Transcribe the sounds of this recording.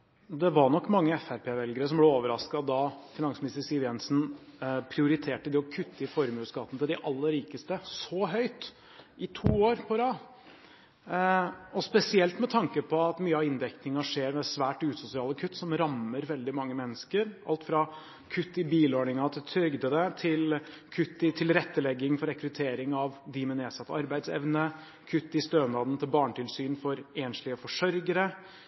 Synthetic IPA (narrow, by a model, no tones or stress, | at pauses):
d̪ɛʋɑɳɔkːmɑŋːəɛfæɾpʰeːʋɛlɡəɾəs̬ɔmblɛoːʋəɾɑskɑd̪ɑfɪnɑŋsmɪnɪst̪əɾsɪːʋɛnsn̩pʰɾɪʊɾɪt̪ʰeːʈəd̪ɪɔkʰʉt̪ʰːəɪfɔɾmʉːskɑt̪ənət̪ʰɪld̪ɪʔɑlːəɾiːkəst̪əsɔɦœʏt̪ | ʔɪt̪ʰuːoːɾpʰɔɾɑː | ɔspɛsɪɛlt̪mɛt̪ʰɑŋkəpʰɔɑt̪myːəɑɪnd̪ɛknɪŋɑʂeːɾʋɛsʋæːʈʉːt̪sʊsɪɑːləkʰʉt̪ːsɔmɾɑmːəɾʋɛld̪ɪmɑŋːəmɛnːəskəɾʔɑ̰lt̪fɾɑ | kʰʉt̪ːɪbiːloːɳɪŋɑt̪t̪ʰʏɾɡd̪əd̪ɛt̪ʰɪl | kʰʉt̪ːɪt̪ʰɪlɾɛt̪ːəlɛɡːɪŋfɔɾɛkɾʉt̪ʰeːɾɪŋɑʋd̪ɪmɛneːsɑt̪ːəɑɾbæɪd̪sɛ̰ʋnə | kʰʉt̪ːɪst̪øːnd̪ɑːd̪n̩t̪ʰɪlbɑːɳʈɪlsyːnfɔɾeːnʂɭɪəfɔʂœɾɡəɾə